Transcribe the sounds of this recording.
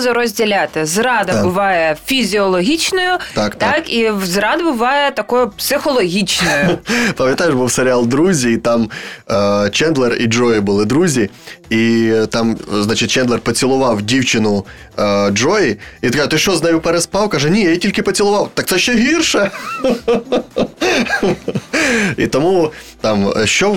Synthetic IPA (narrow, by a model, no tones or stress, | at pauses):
zɐɾɔzʲdʲɪlʲat̪ɪzrɑd̪ɐbʊʋɑjɛfʲizʲiɔlˠɔɦʲit͡ʃnɔjʊt̪akt̪ɑkizɾɑd̪bʊʋɑjɛt̪ɐkɔjʊpsɪxɔlˠɔɦʲit͡ʃnɔjʊpɐmʲjɐt̪ajʊʃbuwseɾʲɪalˠd̪ɾuzʲiːt̪ɑm | t͡ʃɛnd̪lˠɛrḭd͡ʒɔjɪbʊlˠɪd̪ɾuzʲiit̪ɑmznat͡ʃɪt̚ʲt͡ʃɛnlˠɛrpɔt͡sʲɪlˠʊʋɑwdʲiwt͡ʃɪnʊ | ɔjiikat̪ɪʃt͡ʃɔznɐjupɛɾɛspɑwkɐʒɛnʲijajitʲilʲkɪpɔt͡sʲɪlˠʊʋɑwt̪ɑk̪̚sɛʃʲːɛɦʲirʃɛ | ḭt̪ɔmut̪ɑmʃt͡ʃɔ